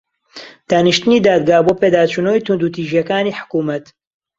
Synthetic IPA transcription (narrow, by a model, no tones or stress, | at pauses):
d̪̥aːnɨʃt̪ɨniːd̪aːd̪̚ɡaːboːpeːd̪aːt͡ʃunoːjt̪und̪ut̪iːʒijɐkaːniːħʊ̥kuːmɐt̪